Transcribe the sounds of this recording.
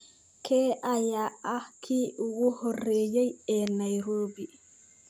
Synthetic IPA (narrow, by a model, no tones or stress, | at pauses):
kʰɛːʔajaːakʰiːʔuɡuhɔrːeːjɛjɛnajɾoːbi